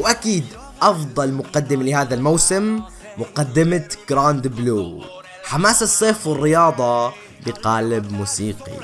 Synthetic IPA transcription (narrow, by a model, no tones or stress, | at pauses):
wʔakiːd̪ | ʔɑfd̪ˤɑlmʊqad̪ːɪmalɪhaːðalmawsɪmː | ʊqad̪ːɪmaɡ̥ɾaːnd̪ɪbluː | ħamaːsɑsˤːeːfwɪrːɪjɑːd̪ˤɑ | bɪqaːlɪbmuːsiːqḭ